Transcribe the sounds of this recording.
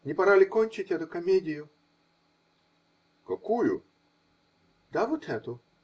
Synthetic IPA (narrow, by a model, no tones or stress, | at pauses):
nʲɪpɐɾalʲɪkonʲt͡ɕɪtʲɛt̪ʊkɐmʲedʲɪjʊ | kɐkujʊ̰ | d̪avot̪ʰɛt̪ʊ